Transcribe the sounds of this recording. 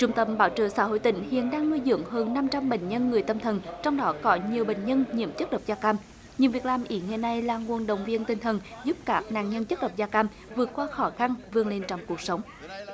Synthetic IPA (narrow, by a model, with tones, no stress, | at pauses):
t͡ɕʊ˧˩ŋ͡mt̪ə˧˩mɓaː˧˦wt͡ɕə̰ː˧˨sa̰ː˧˥ɦo̰˧˨jt̪ï˧˩˦ŋ̟hḭ˧˨ənɗaː˧ŋnu˧jzɨ̰˧˨˥əŋɦəː˧nːa˧mt͡ɕa˧mɓḛ˧˨ŋ̟ɲə˧nŋɨ˨˩əjt̪ə˧mt̪ʰə˨˩nt͡ɕɔ˧wŋ͡mɗɔ˨˦kɔ˨˦ɲi˨˩əwɓḛ˧˨ŋ̟ɲə˧nɲḭ˧˨əmt͡ɕə˦˥t̚ɗə˨˩wk͡p̚zaː˧kaː˧m | ɲɨ˨˩vi˨˩ək̚laː˨˩mʔi˨˦ŋa˨˧˩na˧jlaː˨˩ŋu˧˨ənɗə̰˨wŋ͡mvi˧ənt̪ï˨˩ŋ̟t̪ʰə˨˩nzu˦˥p̚kaː˦˥k̚na̰ː˧˨ŋɲə˧nt͡ɕə˦˥t̚ɗə˨˩wk͡p̚zaː˧kaː˧m | vɨ˨˩ət̚kwaː˧xɔ˧˦xa˧nvɨ˧əŋle˧nt͡ɕɔ˧wŋ͡mku˨˩ək̚sə˨˦wŋ͡m